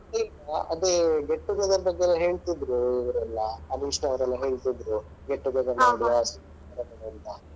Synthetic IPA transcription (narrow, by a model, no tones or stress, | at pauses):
iɡaɐd̪eɡeʈːuɡɐd̪ɐɾbɐɡːeɛlːɐɦe̞ːɭt̪id̪ɾuiʋɐɾɐlːɐːniʂnɐːʋɐɾɛlːɐɦe̞ːɭt̪id̪ɾu | ɡeʈːuɡɐd̪ɐɾnaːɡijasik | ɐɾɐbɐɽɐnt̪ɐ